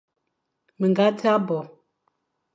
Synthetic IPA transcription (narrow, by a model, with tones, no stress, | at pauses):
mə˨ŋɡa˦tʰa˦bɔ˨